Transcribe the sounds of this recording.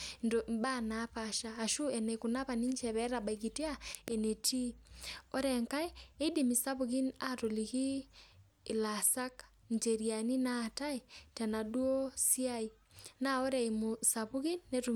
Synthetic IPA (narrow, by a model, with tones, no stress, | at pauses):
ndo˨mba˦napaʃaːʃu˦ɛnɛ˨kuna˦βa˨ni˦ɲt͡ʃɛ˨βɛ˦ɾaba˨iki˨ti˦ae˨ne˨ti˦ɔ˦ɾɛŋka˦e˦e˦idimi˨sa˦βuɣi˦natoliɣi˦ | lasa˦k | nteɾiani˦natai˨tɛna˨dwo˦si˦a˦i | nao˦ɾɛ˨imusaβuɣi˦nːetu